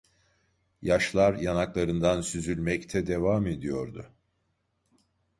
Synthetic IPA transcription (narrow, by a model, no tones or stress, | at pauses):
jaʃlˠaɾjanaklˠaɾɯnd̪ansyzylʲmɛct̪ʰɛd̪e̞vame̞d̪ijo̞ɾd̪ʊ